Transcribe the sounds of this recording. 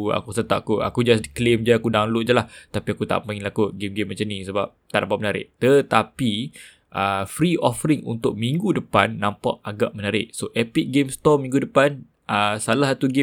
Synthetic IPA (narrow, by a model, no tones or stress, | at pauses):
a̰kusət̪a̰ʔkua̰kud͡ʒasklemd͡ʒaakudaŋlʊʔ̚d͡ʒəlaht̪apiakut̪a̰ʔəpãiŋlakuɡemɡemːat͡ʃamnĩsəbap̚t̪aʔnãpaʔmənaɾɪ̰ʔt̪ət̪api | ʔəfɾiʔɔfəɾɪŋṵnt̪ʊʔ̚mĩŋɡudəpanːãmpa̰ʔaɡaʔmənaɾɪʔsoʔɛpik̚ɡemst̪ɔmĩŋɡudəpan | əsalasat̪uɡe